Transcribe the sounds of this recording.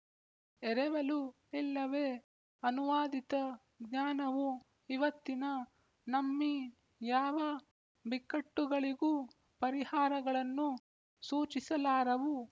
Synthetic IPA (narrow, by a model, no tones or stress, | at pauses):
ɛɾɛʋɐlu | ilːɐʋeː | ɐnuʋaːd̪it̪ɐ | ɡɲaːnɐʋu | iʋɐt̪ːinɐ | nɐmːi | jaːʋɐ | bikːɐʈːuɡɐɭiɡuː | pɐɾihaːɾɐɡɐɭɐnːu | suːt͡ʃisɐlaːɾɐʋu